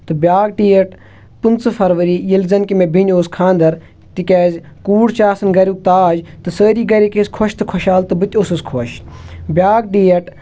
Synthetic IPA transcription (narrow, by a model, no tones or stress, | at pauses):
t̪ɨbʲjaːɡ̚ʈiːɐʈ | pɨnt͡sfʰɐɾʋɐɾijilzɐnkimebʱinʲoːskʰãːnd̪ɐɾ | t̪ikʲeːzʲ | kuːɽt͡ʃaːsɐnɡɐɾʲuk̚t̪aːd͡ʒt̪ɨsəːɾiːɡɐɾʲikeskʰoʃt̪ɨkʰoʃaːlt̪ɨbɨt̪ʲosɨskʰoʃbʲjaːɡ̚ʈiːjɐʈ